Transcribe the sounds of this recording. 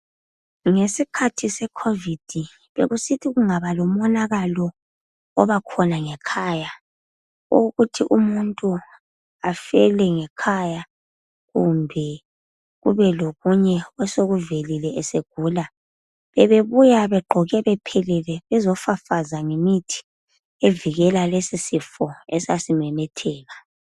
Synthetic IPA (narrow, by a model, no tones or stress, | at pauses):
ŋesikʰatʰisɛkʰovid̥ʱi | βḛɣusitʰiɣuŋaβalɔmɔnaɣalɔ | ɔβakʰɔnaŋɛkʰaːja | o̰ɣutʰiʔumuntʼu | afɛlɛŋɛkʰaja | ɣumbʱɛ | ɣṵβɛloɣuɲɛɛsoɣuvelilɛɛseɡ̥ʱuːla | βɛβeβujaβɛɡ͡ǃʱɔɣɛβɛpʰɛlɛlɛβɛzɔfafazaŋemitʰi̥ | eviɣɛlalesisifɔɛsasimɛmɛtʰɛːɣa